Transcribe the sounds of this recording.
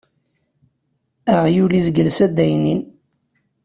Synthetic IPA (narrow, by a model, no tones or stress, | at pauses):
æʁjulizəɡəlsæd̪ːæjnin